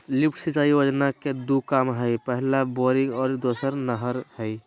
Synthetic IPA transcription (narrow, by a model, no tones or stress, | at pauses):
lipʰʈʰsit͡ʃaiʋəd͡ʒnaked̪ukamɦəjpəɦilaboɾiŋɡɔːɾd̪osəɾnəɦəɾhəj